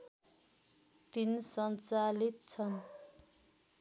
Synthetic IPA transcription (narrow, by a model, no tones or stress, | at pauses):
t̪insʌnt͡salit̪̚t͡sʰʌn